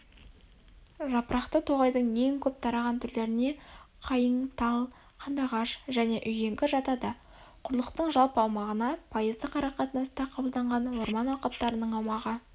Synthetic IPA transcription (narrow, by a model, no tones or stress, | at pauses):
ʒɑpɾʔɑqt̪ət̪ʰo̞ʁɑjd̪əɴe̞ŋkʲʰɵp̚t̪ʰɑɾɑʁɑnt̪ʰʏɾle̞ɾɪne̞qʰɑjəɴt̪ʰɑlˠ | qʰɑnd̪ɑʁɑʃʒæne̞ʔʏje̞ŋkʲɪʒɑt̪ɑd̪ɑ | qʰʊɾlˠəqt̪əɴʒɑlˠpɑwmɑʁənɑpʰɑjəzd̪əqʰɑɾɑqɑt̪ənɑst̪ɑqʰɑbəlˠd̪ɑɴʁɑnwo̞ɾmɑnɑwqɑp̚t̪ɑɾənəɴɑwmɑʁə